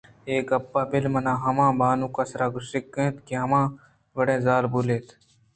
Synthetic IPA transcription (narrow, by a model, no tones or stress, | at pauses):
eːkɐpːaːpɪlmɐnãːɦɐmãːbaːnũːkɐsɾaːɡʊsɪkːẽt̪kiɦɐmãː | ʋɐɽẽːzaːɾbuːleːt̪ʰ